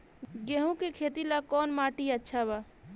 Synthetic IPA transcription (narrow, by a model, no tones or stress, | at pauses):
ɡeɦũkekʰet̪ilakɔnmaʈiətːʃʰaβa